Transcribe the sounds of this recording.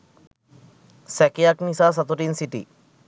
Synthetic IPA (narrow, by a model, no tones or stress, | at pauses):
sɛkijaknisas̬at̪oʈinsiʈḭ